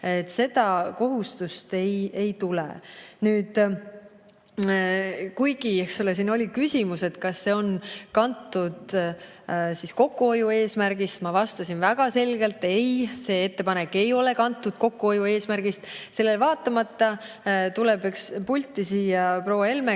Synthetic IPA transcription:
et̪ːse̞d̪̥ɑko̞ɦust̪ust̪e̞je̞jt̪ulḛnyːd̪̥ | kujɡ̥iehksolesiːno̞lʲikysʲimuse̞t̪kɑsːe̞o̞nkɑnt̪ːˑud̪ | sisko̞kːˑuo̞jue̞ːsmæɾɡ̥ist̪mɑvɑst̪ɑsinvæɡ̥ɑse̞lɡ̥e̞lt̪ːˑe̞jse̞ːe̞t̪ːe̞pɑnekːe̞jo̞le̞kɑnt̪ːˑud̪̥̚ko̞kːuo̞jue̞ːsmæɾɡ̥ist̪se̞lːe̞lvɑːt̪ːˑɑmɑt̪ːˑɑ | t̪ulebekspulʲt̪ːˑisiːjɑpro̞wɑe̞lme

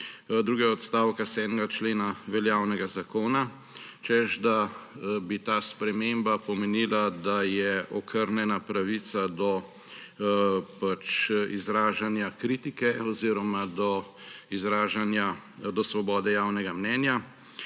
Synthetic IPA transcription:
d̪ɾuːɡɛɡaɔt̪st̪aːwkasɛd̪nɛɡat͡ʃleːnaʋɛljawnɛɡazakoːna | t͡ʃɛʃd̪abit̪aːspɾɛmembapɔmɛniːlad̪ajɛʔɔkʰəɾnjɛnapɾaʋisad̪ɔ | pat͡ʃizɾaːʒanjakɾiːt̪ikɛɔziːɾɔmad̪ɔ | izɾaːʒanja | d̪ɔsʋɔbɔːd̪ɛjaːwnɛɡamnɛːnja

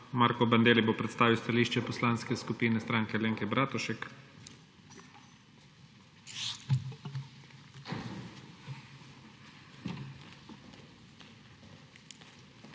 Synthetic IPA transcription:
maːɾkɔband̪eːlibopɾɛt̪st̪aːʋiwst̪aliːʃt͡ʃɛpɔslaːnskɛskupiːnɛst̪ɾaːŋkɛleːŋkɛbɾaːt̪ɔʃɛk

